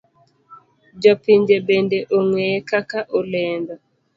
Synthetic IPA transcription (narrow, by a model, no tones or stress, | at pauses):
d͡ʒɔpiɲd͡ʒebendeʔoŋwɛkakaʔolɛndɔ